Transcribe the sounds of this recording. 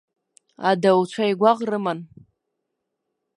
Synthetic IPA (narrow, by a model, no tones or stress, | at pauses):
adawt͡ʃʷʰaiɡʷaʁrɨman